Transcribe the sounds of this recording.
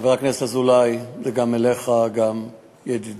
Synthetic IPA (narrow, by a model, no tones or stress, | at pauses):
veʁaknesazulajzeɡameleχaɡam | jed̪id